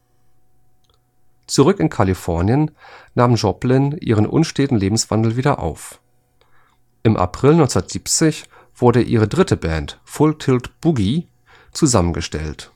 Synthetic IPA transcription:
t͡suʁʏkɪnkʰalifɔɐnjənːaːmʒɔplɪnʔḭːʁənʔʊ̰nʃteːtn̩leːbm̩sv̥a̰ndl̩viːdɐʔa̰ʊf | ʔɪmʔa̰pʁ̥ɪlnɔʏnsndɐtz̥iːpt͡sɪç | v̥ʊɐɾəʔiːʁ̞ədʁɪtʰəbɛntfʊltʰɪltb̥uɡi | t͡suzamənɡəʃtɛ̰lt

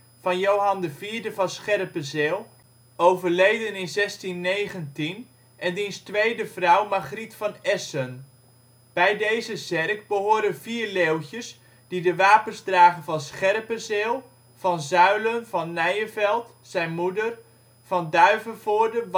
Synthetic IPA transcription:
vɑnjowɦɑndəviːɹdəvɑnsχɛrpəzeːlˠ | owvəɹlejdənɪnzɛstinːejχəntin | ʔɛndinstʋejdəv̥rʌwmaχritfɑnɛsən | b̥ɛjdejzəzɛrk̚bəɦʊːɾənviːrlewtəs | d̥idəʋaːpənzdraːχənvɑnsχɛrpəzeːlˠ | v̥ɑnzœɥlənvɑnːɛjəvɛlˠt | sɛjnmudər | vɑndœɥvəvʊːɹdə

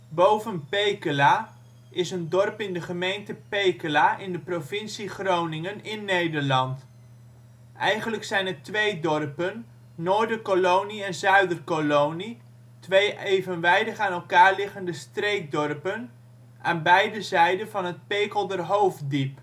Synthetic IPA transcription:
bowvənpejkəlaː | ʔɪsəndɔrpɪndəχəmejntəpejkəlaʔɪndəprovɪnsiχrownɪŋənɪnːejdəɹlɑnt | ʔɛjχənləksɛjnɦətʋejdɔrpənː | oːɹdəkolowniɛnzœɥdərkolowni | tʋejejvənʋɛjdəχaːnɛlˠkaːɹlɪχəndəstrejk̚dɔrpən | ʔaːnbɛjdəzɛjdənvɑnɦət̚pejkəlˠdərɦowf̚dip

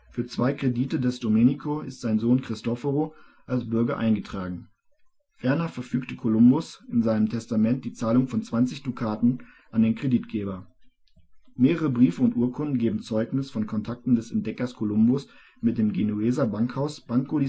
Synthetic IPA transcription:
fyːɐt͡sv̥aɪkʁ̥ediːtədɛsd̥omeːnikʰoɪ̰stz̥aɪnzoːnkʁ̥ɪstɔfəʁoʔalsb̥ʏɐɡɐʔaɪnɡətʁ̥aːɡŋ̩ | fɛɐnɐfɛɐfyːktəkʰolʊmbʊsɪnzaɪnəmtʰɛstamɛnt̚d̥iːt͡saːlʊŋfɔnt͡sv̥ant͡sɪçd̥ukʰaːtn̩ | ʔandeːnkʁ̥ediːtɡ̥eːbɐ | meːʁəʁəbʁiːfəʊntʔuːɐkʰʊndn̩ɡeːbm̩t͡sɔʏknɪsfɔnkʰɔntʰak̚tn̩dɛsɛnt̚d̥ɛkɐskʰolʊmbʊs | mɪt̚d̥eːmɡenueːzabaŋkhaʊsb̥aŋkodi

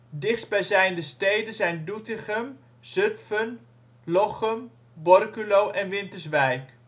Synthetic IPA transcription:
dɪχdsbɛjzɛjndəstejdənzɛjndutɪχəm | z̥ɵtfən | lɔχəm | bɔrkylowʔɛnʋɪntəsʋɛjk

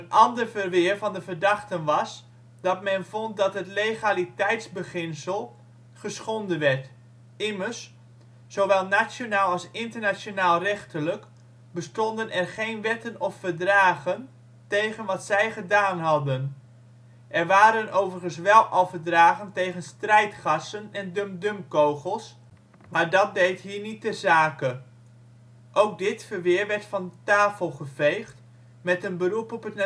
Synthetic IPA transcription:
ənɑndərvərʋɪərfɑndəvərdɑχtənʋɑs | dɑtmɛnvɔnt̚dɑtɦətlejχalitɛjtzbəχɪnsəlˠ | χəsχɔndənʋɛrt | ɪmərs | soʋɛlˠnat͡sjonaːlˠɑlˠsɪntərnasjonaːlˠrɛχtələk | bəstɔndənʔɛrχejnʋɛtənɔfərdraːɣən | tejχənʋɑtsɛjχədaːnɦɑdən | ʔɛrʋaːɾənowvərχənsʋɛlˠʔɑlˠvəɹdraːχəntejχənstrɛjtχɑsənɛndømdømkowχəlˠs | maːɹdɑt̚dejtɦiːɹnit̚əzaːkə | ʔowk̚dɪtfəɹʋɪːɹʋɛɹtfɑntaːfəlˠχəv̥ejχt | mɛtənbərupɔpət

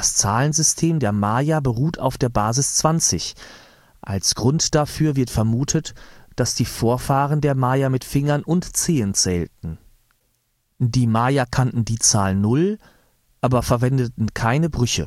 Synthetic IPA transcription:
d̥ast͡saːlənzʏstʰeːmdeːɐmaːjabəʁuːtʰa̰ʊfd̥eːɐbaːzɪst͡sv̥ant͡sɪç | ʔa̰lsɡ̥ʁʊntd̥afyːɐvɪɐtfɛɐmuːtʰətd̥asd̥iːfoːɐfaːʁəndeːɐmaːjamɪtfɪŋɐnʔʊntt͡seːənt͡sɛːltn̩ | diːmaːjakʰantn̩diːt͡saːlənʊl | ʔaːbɐfɛɐvɛndətn̩kʰaɪnəbʁʏçə̰

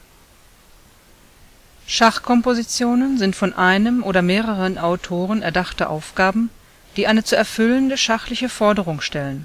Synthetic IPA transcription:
ʃaχkʰɔmpozit͡sjoːnənzɪntfɔnʔaɪnəmʔoːɾɐmeːʁəʁənʔaʊtʰoːʁənɛɐdaχtəʔa̰ʊfɡ̥aːbm̩ | d̥iːʔaɪnət͡suɛɐfʏləndəʃaχlɪçəfɔɐdəʁ̞ʊŋʃtɛlən

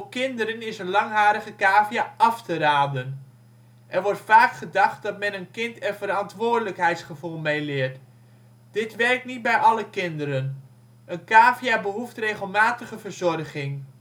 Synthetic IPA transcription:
kɪndəɾənɪsənlɑŋɦaːɾəχəkaːvijaʔɑftəraːdən | ʔɛɹʋɔɹtfaːkχədɑχt̚dɑtmɛnənkɪntənvəɾɑntʋʊːɹdələkɦɛjtsχəvulˠmejlɪːɹt | d̥ɪtʋɛrk̚tnit̚bɛjʔɑləkɪndəɾən | ənkaːvijaːbəɦuftrejχəlˠmaːtəχəvəɹzɔrχɪŋ

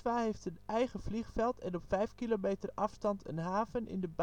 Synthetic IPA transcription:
ʋaːɦejftətɛjχəv̥liχfɛlˠtʰɛnɔpfɛjfkiloːmeːtərʔɑfstɑntʰə̰nɦaːvənʔɪ̰ndəb

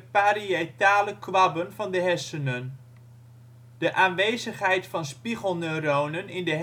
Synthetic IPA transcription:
paɾiejtaːləkʋɑbənvɑndəɦɛsənən | d̥əʔaːnʋejzəχɦɛjtfɑnspiχəlˠnørownənɪndəɦ

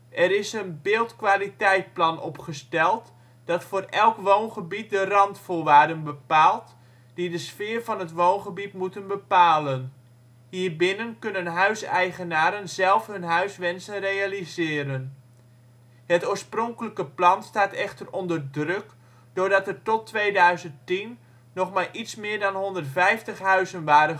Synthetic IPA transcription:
ʔɛɾɪsənbɪːlˠtkʋaːlitɛjt̚plɑnʔɔpχəstɛlˠt | d̥ɑtfoːrɛlˠkʋoːnχəbit̚dərɑntfʊːʋaːrdənbəpaːlˠt | d̥idəsfɪːrvɑnɦətʋownχəbitmutənbəpaːlən | hiːrbɪnənkɵnənɦœɥsɛjχənaːɾənzɛlˠfɦhɵnɦœɥsʋɛnsənrejalizɪːɾən | hətoːɹsprɔŋkələkəplɑnstaːtɛxtərɔndərdrøk | d̥ʊːɹdɑtərtɔtːʋeːdœɥzənttinː | ɔχmaːʔitsmɪːɹdɑnɦondərtfɛjftəχɦœɥzənʋaːdə

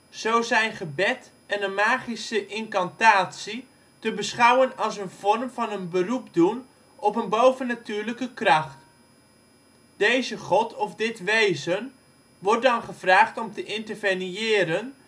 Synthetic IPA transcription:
z̥owzɛjnχəbɛt | ɛnənmaːχisəʔɪŋkɑntaːtsi | təbəsχawənɑlˠsənv̥ɔrmvɑnənbərupdun | ɔpənbowvənːatyːɹləkəkrɑχt | d̥ejzəχɔtʰɔfdɪtʋejzən | ʋɔrt̚dɑnχəv̥raːχtɔmtəʔɪntərvenɪːɾən

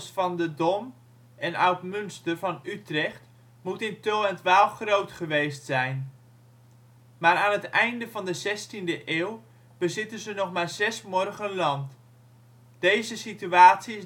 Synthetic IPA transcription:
sfɑndədɔm | ɛna̰wtmɵnstərvɑnytrɛχt | mutɪntølˠɛntʋaːlˠfχrowtχəʋejstsɛjn | maːɾaːnətɛjndəvɑndəzɛstindəʔeːw | b̥əzɪtənzənɔχmaːɹz̥ɛsmɔrχənlɑnt | d̥ejzəsityaːtsiɪs

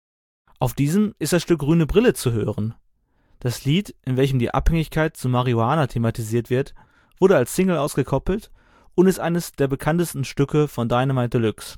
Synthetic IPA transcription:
ʔaʊfd̥iːzəmʔɪst̚d̥asʃtʏk̚ɡ̥ʁyːnəbʁɪlət͡suɦøːʁən | d̥asliːtʔɪnvɛlçəmdiːʔa̰phɛŋɪçkʰaɪt̚t͡sumaʁioaːnatʰematʰiziːɐtv̥ɪɐt | v̥ʊɐɾəalsːɪŋl̩ʔaʊsɡ̥əkʰɔpl̩t | ʔʊntɪstʔa̰ɪnəsd̥eːɐbəkʰantəstn̩ʃtʏkʰəfɔndaɪnəmaɪtəlʏks

